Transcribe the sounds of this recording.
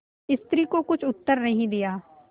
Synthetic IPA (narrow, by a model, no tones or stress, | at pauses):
ɪst̪ɾiːkokʊt͡ʃʰʊt̪ːəɾnəɦĩːd̪ɪjaː